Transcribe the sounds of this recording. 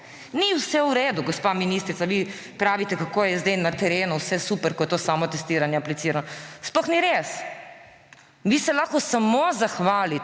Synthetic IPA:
niwsɛuɾeːd̪uɡospaminist̪ɾit̪saʋi | pɾaːʋit̪ɛkakoːjɛzd̪ɛjnat̪ɛɾeːnuwsɛsupɛɾkɔjɛt̪oːsaːmɔt̪ɛst̪iːɾanjɛaplit̪siːɾanɔsplɔxniɾes | ʋisɛlaxkɔsamozaxʋaːli

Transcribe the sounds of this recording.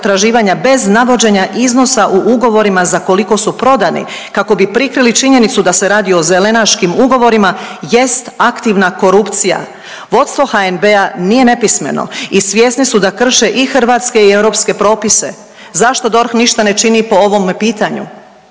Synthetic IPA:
t̪ɾaʒiːʋaɲabe̞znaʋo̞d͡ʑe̞ɲaʔizno̞saʔuʔuɡo̞ʋo̞ɾimazako̞liko̞supɾo̞d̪anḭ | kako̞bipɾikɾilit͡ʃiɲe̞nit̪sud̪ase̞ɾaːd̪io̞ze̞le̞naʃkimuɡo̞ʋo̞ɾimaje̞st̪akt̪iʋnako̞ɾupt̪sija̰ | ʋo̞t̪st̪o̞xaenbe̞anije̞ne̞pisme̞̰no̰isʋje̞ːsnisud̪akr̩ʃe̞ʔixr̩ʋaːt̪ske̞ieʋɾo̞pske̞pɾo̞ːpise̞̰ | zaʃt̪o̞d̪o̞ɾxniʃt̪ane̞t͡ʃinipo̞oʋo̞mpiːt̪aɲṵ

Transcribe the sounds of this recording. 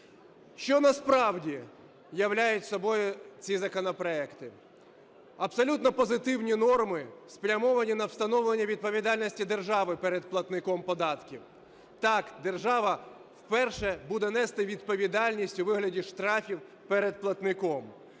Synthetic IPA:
ʃt͡ʃɔnɐspɾɑwdʲi | jɐwlʲajʊtʲsɔbɔjʊt͡sʲizɐkɔnɔpɾɔɛkt̪ɪ | ɐpsɔlʲut̪nɔpɔzɪt̪ɪwnʲinɔrmɪspɾʲɐmɔʋɐnʲinɐwst̪ɐnɔʋlˠenʲːɐʋʲid̪̚pɔʋʲid̪ɑlʲnʲɔsʲtʲid̪erʒɑʋɪpɛɾɛd̪̚plˠɐt̪nɪkɔmpɔd̪ɑt̪kʲiw | t̪ɑkd̪erʒɑʋɐ | wpɛrʃɛbud̪ɛnɛst̪ɪʋʲid̪pɔʋʲid̪ɑlʲnʲisʲtʲʊʋɪɦlʲɐdʲiʃt̪ɾɑfʲiw | pɛɾed̪̚plˠɐt̪nɪkɔm

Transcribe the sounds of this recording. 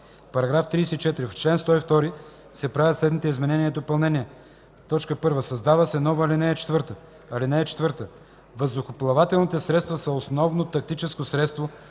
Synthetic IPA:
pɐɾɐɡɾaft̪ɾiːsɛit͡ʃɛt̪ɾift͡ʃlɛnst̪ɔift̪ɔɾi | sɛpɾavʲət̪slɛd̪nit̪ɛizmɛnɛniɛd̪opɐlˠnɛniɛ | t̪ɔt͡ʃkəpɤɾvəsɐzd̪avəsɛnɔvəlinɛːt͡ʃɛ̥t̪vəɾt̪ə | ɐlinɛːt͡ʃɛ̥t̪vəɾt̪ə | vəzd̪ʊxoplˠɐvat̪ɛlˠnit̪ɛsɾɛt̪st̪vəsɐosnɔvnot̪ɐk̚t̪it͡ʃɛskosɾɛt̪st̪vo

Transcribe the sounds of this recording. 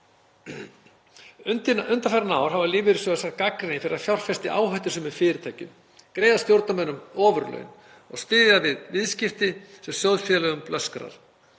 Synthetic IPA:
t̪ɪnʏnt̪afaɾanaːwɾ̥havalɪːvɪɾɪsœɣasakakɾɪnɪfɪɾɪɾðaðfjawr̥fɛst̪ɪʔaːwɦœjht̪ɪsʏmɪðfɪːɾɪt̪ʰaːjcʏ̰m | kɾeːjðast̪jowɾt̪namɛnːʏmɔːvʏɾlœ̰ɥn | ɔɣsp̪ɪːðjavɪðvɪðscɪft̪ɪsɛmsjowðfjɛlœɣʏmplœskɾa̰ɾ̥

